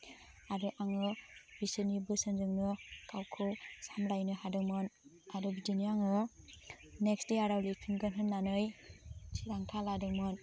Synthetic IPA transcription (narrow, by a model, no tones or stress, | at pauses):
aɾɯʔaŋɯbisɯnibɯsɯnzɯŋnɯkʰawkʰɯwsamlajnɯɦadɯŋmɯn | aɾɯbidiniaŋɯ | neksdeaɾawlipʰiŋɡɯnɦɯnːanɯjsʰiɾaŋtʰaladɯŋmɯn